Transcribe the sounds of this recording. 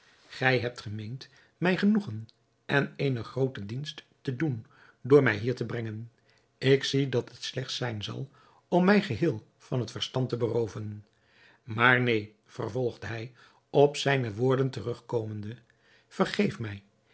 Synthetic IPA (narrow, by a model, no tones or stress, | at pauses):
χɛjɦɛp̚tχəmejnt | mɛjχənuχən | ʔɛnejnəχrowtədinst | tədun | dʊːɹmɛjɦiːɹtəbrɛŋən | ɪksidɑtətslɛχtsɛjnzɑ̰lˠ | ɔmːɛjχəɦɪːlˠ | vɑnɦətfəɹstɑntəbərowvən | maːɹnej | v̥ə̰rvɔlˠχdəɦɛj | ɔpsɛjnəʋʊːɹdəntərɵχkowməndə | v̥ərχejfmɛj